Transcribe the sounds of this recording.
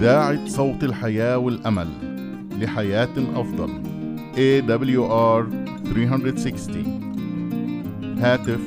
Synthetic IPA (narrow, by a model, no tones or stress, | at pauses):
aːʕɪsˤɑwt̪ˤɪlħajaːwɪlʔama̰lː | ɪħajaːt̪ʔɑfd̪ˤɑ̰l | ʔeːd̪ɑbɪljuʔɑːɾ | θɾiːɦand̪ɾɪd̪sɪkst̪ḭ | haːt̪ɪf